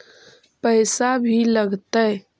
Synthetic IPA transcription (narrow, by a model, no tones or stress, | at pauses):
pəːsabʱiləɡt̪aɛ